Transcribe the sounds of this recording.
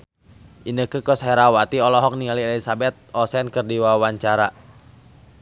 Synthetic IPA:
ʔinəkəkɔshɛɾawat̪iɔlɔɦɔk̚niŋalielisabɛt̪̚ɔsɛnkɨrdiwaawaɲt͡ʃaɾa

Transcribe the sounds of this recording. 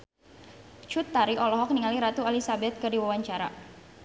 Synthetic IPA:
t͡ʃut̪ːaɾiʔɔlɔɦɔk̚niŋaliɾat̪ualisabɛt̪̚kɨrdiwawaɲt͡ʃaɾa̰

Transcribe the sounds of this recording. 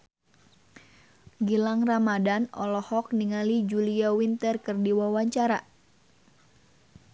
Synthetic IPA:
ɡilaŋramadanɔ̰lɔhɔk̚niŋalid͡ʒuliawint̪ərkərdiwawaɲt͡ʃaɾa

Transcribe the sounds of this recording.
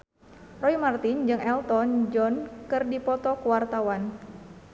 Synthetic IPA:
rɔimart̪ind͡ʒɨŋɛlt̪ɔnd͡ʒɔnkɨrdipɔt̪ɔkuwart̪awan

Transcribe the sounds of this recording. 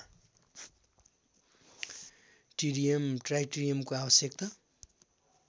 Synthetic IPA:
ʈiɾijʌmʈrajʈiɾijʌmkoabʌsjek̚t̪a

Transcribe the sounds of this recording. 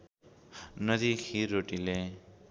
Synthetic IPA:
nʌd̪ikʰiɾoʈile

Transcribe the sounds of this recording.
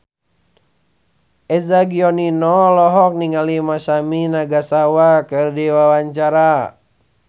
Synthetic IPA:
ʔɛzaɡiɔninɔlɔɦɔk̚niŋalimasaminaɡasawakɨrdiwawaɲt͡ʃaɾa

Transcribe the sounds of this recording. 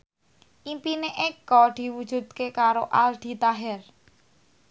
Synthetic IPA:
ʔimpineʔekɔd̪̥i̤wud̥ʒ̥ṳd̪̥̚kekaɾoʔalɖ̪̥i̤t̪aɦɛr

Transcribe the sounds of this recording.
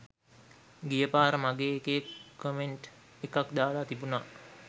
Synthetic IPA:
ɡijəpaːɾəmaɡeːkekːomeɳʈ | ekakd̪aːlat̪ibuna

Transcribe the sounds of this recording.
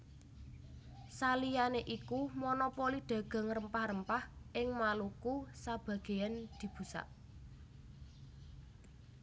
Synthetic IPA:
salijaneʔikumonɔpoliɖ̪̥ä̤ɡ̥a̤ŋrəmpahrəmpahʔɪŋmalukusab̥ä̤ɡ̥e̤and̪̥i̤b̥ṳsa̰ʔ

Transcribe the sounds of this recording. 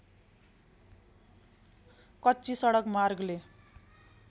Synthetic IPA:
kʌtːt͡sisʌɽʌkmarɡle

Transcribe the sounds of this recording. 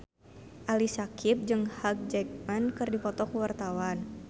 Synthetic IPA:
ʔalisakʰip̚d͡ʒɨŋhak̚d͡ʒɛk̚mankɨrdipɔt̪ɔkuwart̪awan

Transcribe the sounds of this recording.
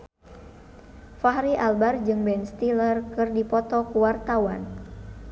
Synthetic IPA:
faɦɾiʔalbard͡ʒɨŋbɛnst̪ilərkɨrdipɔt̪ɔkuwart̪awan

